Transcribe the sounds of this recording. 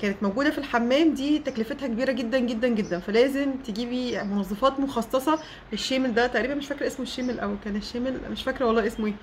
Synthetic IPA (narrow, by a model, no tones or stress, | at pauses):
kæːnet̪mowɡuːd̪æfilħamːæːmd̪iːt̪æklefet̪hækebiːɾæɡed̪ːænɡed̪ːænɡed̪ːænfælæːzemt̪eɡiːbimonɑzˤːɑfɑːt̪moxɑsˤːɑsˤɑ | leʃːeːmeld̪æt̪æʔɾiːbænmeʃfækɾʔesmoʃːeːmelʔæwkæːneʃːæːmelmeʃfækɾæwɑlˤːɑːʔesmoeː